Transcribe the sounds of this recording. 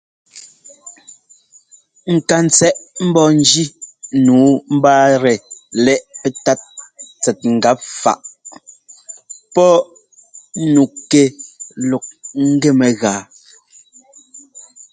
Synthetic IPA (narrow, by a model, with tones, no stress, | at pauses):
ŋ̩˨ka˨n˨t͡sɛ˦˨ʔm̩˦bɔ˦˨n˦d͡ʒi˦nuː˨˦m̩˦baː˦ɾɛ˨lɛ˦ʔpɛ˦ta˦t̚t͡sɛ˨t̚ŋ̩˨ɡa˨˦p̚fa̰˦˨ʔ | pɔ˦ | nu˨kɛ˦lɔ˨k̚ŋ̩˦ɡɛ˦˨mɛ˨ɣaː˨